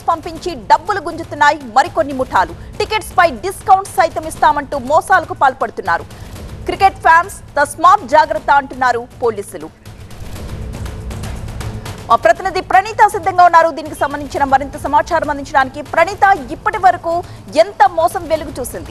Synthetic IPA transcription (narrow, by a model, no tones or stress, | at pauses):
spɐmpiɲt͡ʃiɖɐbːuluɡuɲt͡ʃut̪unːaːjimɐɾiko̞nːimuʈʰaːluʈike̞ʈspɐjɖiskɐwuɳʈssɐjt̪ɐmist̪aːmɐɳʈuːmɔːsaːlɐkupaːlpɐɽut̪unːaːɾukɾikeʈpʰjaːns | t̪ɐsmaːp̚d͡ʒaːɡɾɐt̪ːɐɐɳʈunːaːɾupo̞ːliːsulu | maːpɾɐt̪inid̪ipɾɐniːt̪ɐsid̪ʱːɐŋɡaːunːaːɾud̪iːnikisɐmbɐnd̪iɲt͡ʃinɐmɐɾint̪ɐsɐmaːt͡ʃaːɾɐmɐnd̪iɲt͡ʃɐɽaːnikipɾɐniːt̪ɐipːɐʈiʋɐɾɐkuː | ent̪ɐmɔːsɐmʋeluɡut͡ʃuːsind̪i